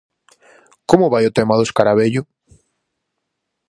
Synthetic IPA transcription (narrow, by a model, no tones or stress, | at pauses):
komʊβajʊt̪emaðoskaɾaβeʎʊ